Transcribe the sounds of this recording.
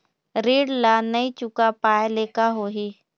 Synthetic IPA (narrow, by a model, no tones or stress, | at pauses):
ɾiːɽlanɐĩt͡ʃʊkapaːeleːkaɦoːɦiː